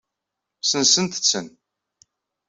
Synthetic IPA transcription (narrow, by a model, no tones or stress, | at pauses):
sənsənt̪ə̥t͡sːə̰n